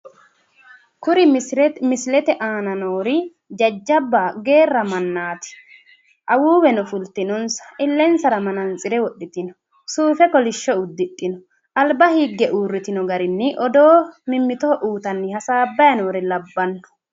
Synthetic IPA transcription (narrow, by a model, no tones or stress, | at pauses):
kʊɾɪmɪslɛt̪ɛʔaːnɐnoːɾɪ | d͡ʒɐd͡ʒːɐbːaɡe̞ːrːɐmɐnːaːt̪ɪ̥ | ʔɐwuːwɛnɔfʊlt̪ɪnɔnsɐ̥ʔɪlːɛnsɐɾɐmɐnɐnt͡sʼɪɾɛwɔɗːɪt̪ɪnɔ̥ | suːfɛkɔlɪʃːɔʊd̪ːɪtʼːɪnɔ̥ | ʔɐlbɐhiːɡːɛʔuːrːɪt̪ɪnɔɡɐɾɪnːɪʔɔd̪oːmɪmːɪt̪ɔɔʔuːt̪ɐnːɪhɐsaːbːɐjɐno̞ːɾɪlɐbːɐnːɔ̥